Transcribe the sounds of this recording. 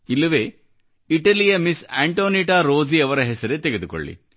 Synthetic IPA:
ilːɐʋeː | iʈɐlijɐmisaːɳʈoːniʈaːɾoːziɐʋɐɾɐɦɛsɐɾet̪eɡe̞d̪uko̰ɭːḭ

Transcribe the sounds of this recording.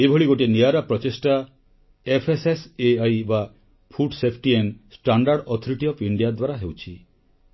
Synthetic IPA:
ebʱoɭiɡoʈ̬iniaɾapɾɔt͡ʃesʈa | epʰeseseajba | pʰuɖsepʰʈiensʈaɳɖaɾɖɔt̪ʰɔɾiʈiɔpiɳɖiad̪waɾaɦewt͡ʃʰi

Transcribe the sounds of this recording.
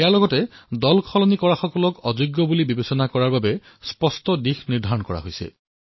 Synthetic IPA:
ejalɔɡɔtɛdɔlkʰɔlɔnikɔɹaxɔkɔlɔkɔzuɡːɔbulibibesɔnakɔɹaɹbabɛ | spɔstɔdixniɹdʱaɹɔnkɔɹa̰ɦojsɛ̰

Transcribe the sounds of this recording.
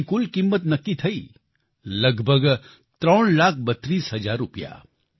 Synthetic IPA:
kulkimːət̪nɐkːit̪ʰəi | ləɡbʱəɡ | t̪ɾəːɳlaːkʰbət̪ːɾiːsɦəd͡ʒaːɾːupja̰

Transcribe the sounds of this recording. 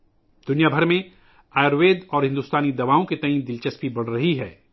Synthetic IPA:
d̪̥ʊnijabʱɐɾmẽ | aːɾʋeːd̪ɔːɾɦɪ̃nd̪uːst̪aːnid̪ɐʋaːõket̪ɐĩːd̪ɪlt͡ʃɐspibɐɽ̤ɾɐɦiɦɛː

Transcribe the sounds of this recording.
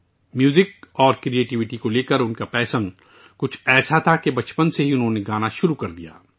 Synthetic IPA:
mjuːzɪk̚ɔːɾkɾieːʈɪʋɪʈikoleːkəɾʊnkapɛːsən | kʊt͡ʃʰɛːsat̪ʰakebɐt͡ʃpənseɦiʊnɦõːneɡaːnaʃʊɾukɐɾd̪ija̰ː

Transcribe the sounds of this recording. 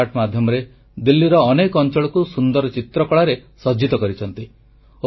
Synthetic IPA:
aʈmad̪ʱjɔmɔɾe | d̪ilːiɾɔːnekɔnt͡ʃɔɭɔkusund̪ɔɾɔt͡ʃit̪ɾɔkɔɭaɾesɔd͡ʒit̪ɔkɔɾit͡ʃʰɔnt̪i | o

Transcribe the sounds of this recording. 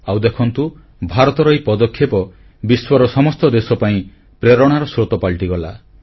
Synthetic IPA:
awd̪ekʰɔnt̪u | bʱaɾɔt̪ɔɾɔipɔd̪ɔkʰjepɔ | biswɔɾɔsɔmɔst̪ɔd̪esɔpaĩ | pɾeɾɔɽ̃aɾɔsɾot̪ɔpaɭʈiɡɔla̰

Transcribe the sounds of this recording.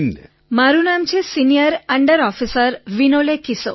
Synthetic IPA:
n | maɾunamt͡ʃʰesinijəɾəɳɖəɾɔfisəɾʋinolekiso̰

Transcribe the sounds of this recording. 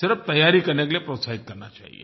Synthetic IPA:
səɾəʋt̪əjaɾiːkəɾnak̬elepɾosaɦit̪̚kəɾnat͡ʃa̰ɦḭḛ

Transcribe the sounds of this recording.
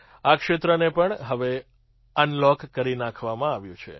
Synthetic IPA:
akʃet̪ɾənepəɳɦəʋe | ənlɔkːəɾinakʰʋamãaʋjũt͡ʃʰḛ

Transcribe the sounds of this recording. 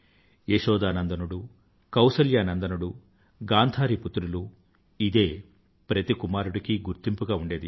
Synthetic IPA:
eʂɔːd̪aːnɐnd̪ɐnuɽu | kɐwsɐljaːnɐnd̪ɐnuɽu | ɡaːnt̪ʰaːɾiput̪ːɾulu | id̪e̞ː | pɾɐt̪ikumaːɾuɽikiɡuɾt̪impuɡaːuɳɖe̞ːd̪i

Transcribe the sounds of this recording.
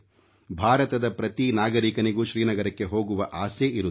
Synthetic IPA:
bʱaːɾɐt̪ɐd̪ɐpɾɐt̪inaːɡɐɾiːkɐniɡuːʃɾiːnɐɡɐɾɐkːe̞ɦo̞ːɡuʋɐʔaːseʔiɾu

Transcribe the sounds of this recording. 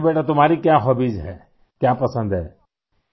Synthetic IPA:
beːʈat̪̬ʊmaːɾikjãːɦɔbid͡ʒɦɛ | kjãːpəsə̃nd̪ɦɛː

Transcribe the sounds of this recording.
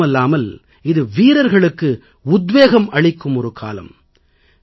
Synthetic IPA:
ɛlːaːmɐl | ɪðɯʋiːɾɐɾɣɐɭɯkːɯ | ʊd̪ʋeːɣɐmɐɭɪkːɯmɔɾɯkʰa̰ːlɐ̰m

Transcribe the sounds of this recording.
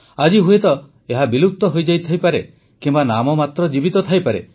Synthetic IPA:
ad͡ʒiɦuet̪ɔ | eɦabilut̪ːɔɦojd͡ʒajt̪ʰajpaɾe | kimbanamɔmat̪ɾɔd͡ʒibit̪ɔt̪ʰajpaɾḛ

